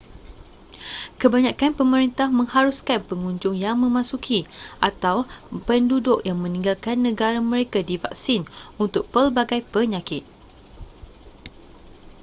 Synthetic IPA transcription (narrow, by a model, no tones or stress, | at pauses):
kəbaɲãkanpəməɾint̪ahmə̃ŋhaɾuskanpəŋuɲd͡ʒʊŋjaŋmə̃mãsukʰiʔat̪awpəndudʊkjaŋmə̃nĩŋɡalkanːə̃ɡaɾamə̃ɾekadiva̰k̚sinunt̪ʊk̚pəlbaɡajpəɲãkɪt̪̚